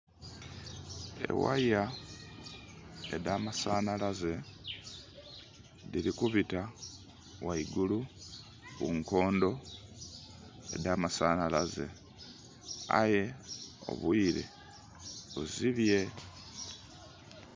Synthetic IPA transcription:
ḛwa̰a | ḛdaːmasaːnalaze̞ | diɾikuβita | waiɡulu | ɣuŋko̞ːndo̞ | ḛdaːmasaːnalaze̞̰ | a̰je̞o̞̰βwiɾḛ | βuziβje̞

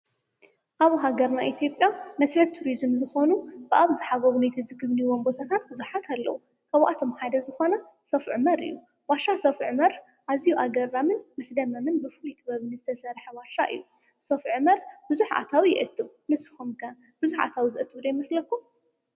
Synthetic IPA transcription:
ʔaβɦaɡɐɾnaʔit̪ʰjo̞pʼjanɐshɨβt̪ʰuɾizɨmzɨxonubɨʔaβzɨħaɡɐβunajt̪ʰɨzɨɡɨβniwombo̞t̪ʰat̪ʰat̪̚bɨzuħat̪ʰalːɐ̰wu | kʰɐβʔat̪ʰo̞mħad̪ɐzɨxo̞nɐ | sɐfʕmɐɾɨ̰jːu | baʃasɐfʕmɐɾ | ʔazijuʔaɡɐɾːamɨnmɨsd̪ɐmɐmɨnbɨfɨlut̪ʼɨβɐβɨnzɨt̪ʰɐsɐɾħɐβaʃaʔɨ̰jːu | sofʕmɐɾb̥ɨzuħʔa̰t̪ʰawijɪ̰ʔɨt̪ːu | mɨsɨ̥xumkʰɐ | b̥ɨzuħa̰t̪ʰawizɨʔɨt̪ʼɨd̪ajmɐslɐkːum

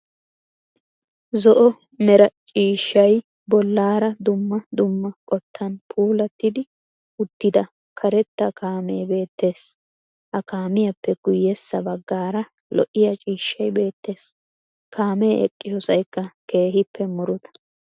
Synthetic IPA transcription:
zɔʔɔ | mɛɾɐt͡ʃʼiːʃːɐj | bɔlːaːɾɐd̪ʊmːɐd̪ʊmːɐkʼɔt̪ːɐnpʰuːlɐt̪ːɪd̪ɪ | ʊt̪ːɪd̪ɐ | kʰɐɾɛt̪ːɐkʰaːmeːbe̞ːt̪ːe̞ːs | hɐkaːmɪjɐpːɛɡ̥ʊjːɛsːɐbɐɡːaːɾɐ | lɔ̰ʔːɪjɐt͡ʃʼiːʃːɐjbe̞ːt̪ːe̞ːs | kʰaːmeʔɛ̰kʼːɪjɔsɐjkːɐke̞ːɦɪpʰːɛmʊɾʊd̪ɐ̥

